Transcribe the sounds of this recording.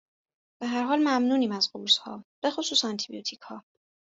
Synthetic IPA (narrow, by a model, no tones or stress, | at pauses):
b̥eɦæɾɦɒːlmæmnuːniːmæzɢuushɒ̰ːb̥e̞xosuːsænt̪ʰibiot̪ʰichɒː